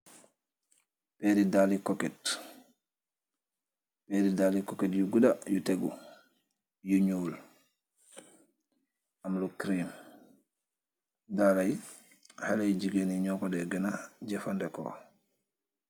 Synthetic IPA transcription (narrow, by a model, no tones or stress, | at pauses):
pɛɾidalikɔkɛt | pɛɾidalikɔkɛtjuɡudajuteɡṵ | juɲul | amlukɾim | dalaj | halajd͡ʒiɡeniɲɔkɔdɛɡɛnad͡ʒɛfandɛkɔ̰